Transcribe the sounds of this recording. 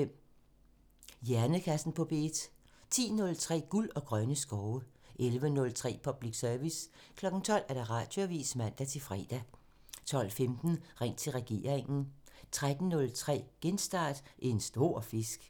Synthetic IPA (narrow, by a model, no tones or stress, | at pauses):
em̰ | jæɐnəkʰæsn̩pʰɒ̽b̥e̝̰ːd̥ | t͡sʰḭːnɔ̽lt͡sʰʁɛ̰ːɡ̥ulɒ̽ɡ̥ʁɶnəsɡ̥ɒʊəʔelʋənɔ̽lt͡sʰʁɛ̰ːpʰɒ̽b̥liɡ̥sœɐʋiskʰlɒ̽ɡ̥n̩t͡sʰɒ̽l̰æɐɾ̥ɑ̈ʁɑ̈ːd̥joæʋḭːsmæn̰d̥æt͡sʰe̝fʁɛ̰ːd̥æ | t͡sʰɒ̽l̰femd̥n̩ʁɛŋ̰t͡sʰe̝lʁɛɡ̥e̝̰ːɐʁeŋn̩t͡sʰʁad̥n̩nɔ̽lt͡sʰʁɛ̰ːɡ̥ensd̥ɑ̰̈ːd̥ʔensd̥o̝ɐ̰fe̝sɡ̥